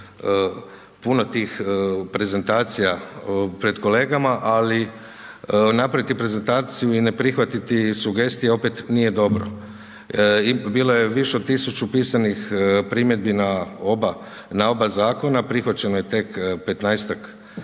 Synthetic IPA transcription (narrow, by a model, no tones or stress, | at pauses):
puno̞t̪iːxpɾe̞ze̞nt̪aːt̪sijapɾe̞d̪ko̞le̞ːɡamaʔali | napɾaʋit̪ipɾe̞ze̞nt̪aːt̪sijuine̞pɾixʋat̪it̪isuɡe̞st̪ijeo̞pet̪nije̞d̪o̞bɾo̰ | ibiːlo̞je̞ʋiʃeot̪isut͡ʃupiːsanixpɾiːmje̞d̪̚binaoba | nao̞bazaːko̞napɾixʋat͡ɕe̞nojet̪e̞kpe̞t̪najst̪ak